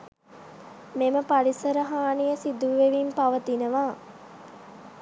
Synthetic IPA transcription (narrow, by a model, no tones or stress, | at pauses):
meməpalisəɾəɦaːnijəsid̪uʋeʋimpaʋət̪inəʋaː